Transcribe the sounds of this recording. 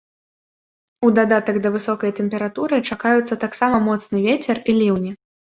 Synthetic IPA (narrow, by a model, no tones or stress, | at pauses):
ud̪ad̪at̪ɐɡd̪ɐvɨsɔkɐjt̪ɛmʲpʲɛɾat̪uɾɨt͡ʂakajut̪sːɐt̪aksamɐmɔt̪snɨvʲet͡sʲɛrilʲiwnʲi